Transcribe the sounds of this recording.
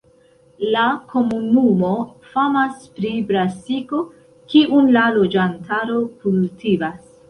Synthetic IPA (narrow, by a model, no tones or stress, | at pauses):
lakʰo̞munumo̞ | famaspɾibɾasiko̞ | kiʔunlalo̞d͡ʒantʰaɾo̞kultʰivas